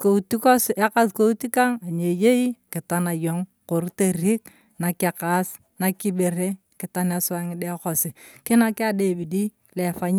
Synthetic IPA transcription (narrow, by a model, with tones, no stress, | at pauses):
ko˨u˨ti˦ko˦sa˦ka˦sko˦u˦ti˦ka˦ŋa˨ɲe˨je˦i˦kɪ˨ta˦na˨jo˨˦ŋ | ko˨ɾte˦ɾi˦k | na˨kɪ˨ka˦s | na˨ki˦be˨ɾe˦ | kɪ˨ta˦n˦a˨sa˨˦ŋɪ˦de˦ko˨sɪ˨kɪ˦na˦kɪ˦a˦˨de˦˨bi˨di˦ | le˨fa˦ɲ˦